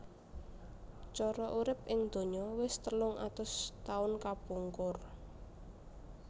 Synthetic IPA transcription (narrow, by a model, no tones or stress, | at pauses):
t͡ʃɔɾɔʔuɾɪp̚ʔɪŋd̪̥o̤ɲɔwɪst̪əlʊŋʔa̰t̪ʊst̪aʊnkapuŋkʊr